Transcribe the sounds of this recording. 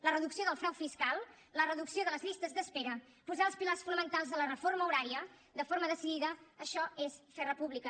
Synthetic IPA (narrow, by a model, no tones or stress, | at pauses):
lərəðuksioðəlˠfɾawfiskalˠ | lərəðuksioðələzlʎist̪əzðəspeɾə | puzaəlˠspilarsfunəmənt̪alˠzðələrəfoɾməuɾaɾiə | d̪əfoɾməðəsiðiðəːʃɔesfɛrəpuβlikə